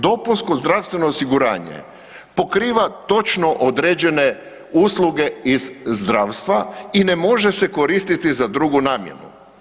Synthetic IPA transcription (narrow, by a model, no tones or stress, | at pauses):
d̪o̞puskozd̪ɾafst̪ʋe̞no̞ːsiɡuɾa̰ːɲḛ | po̞kɾiːʋat̪o̞t͡ʃno̞ʔod̪ɾeːd͡ʑe̞ne̞ | uːslˠuɡe̞izzd̪ɾaːwst̪ʋaine̞mo̞ʒe̞seko̞ɾiːst̪it̪izad̪ɾuɡunaːmjḛnṵ